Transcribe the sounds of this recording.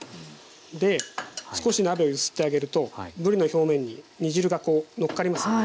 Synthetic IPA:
d̪e̞sɨ̥ko̞ɕinabe̞ojɯsɨ̥t̪ːe̞aɡe̞ɾɯ̟t̪o̞bɯ̟ɾʲino̞ço̞ːmẽ̞ɲ̟ːiɲ̟iʑiɾɯ̟ɡako̞ːno̞kːaɾimasɨ̥

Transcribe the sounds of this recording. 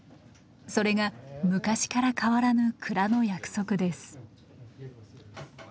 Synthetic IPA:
so̞ɾe̞ɡamɯ̟kaɕi̥kaɾakʰaβaɾanɯ̟kʰɯ̟ɾano̞jakɯ̟̥so̞kɯ̟d̪e̞sɨ̥

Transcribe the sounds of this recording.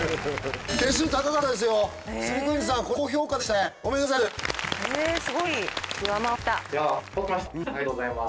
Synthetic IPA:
k̪es̬ɨt̪akakat̪ːad̪e̞s̬ɨjo̞ | ssɨmʲikɯ̟̃ɲd͡ʑis̬ãŋkokoːço̞ːkːad̪e̞ɕit̪aeɡomenas̬aesɨɡo̞ikɯamat̪ːaaokːmaɕajat̪ozaima

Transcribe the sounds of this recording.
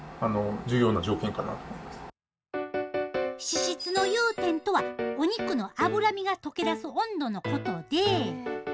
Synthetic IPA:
ano̞d͡ʑɨjo̞ːnad͡ʑo̞ːkẽŋkana̰t̪omoimasɨ̥ | ɕiɕit͡sɨno̞jɯːt̪ẽ̞nt̪o̞βaoɲ̟ikɯ̟no̞ʔabɯ̟ɾamʲiɡat̪o̞ke̞d̪asɨõ̞nd̪o̞no̞ko̞t̪o̞d̪e̞

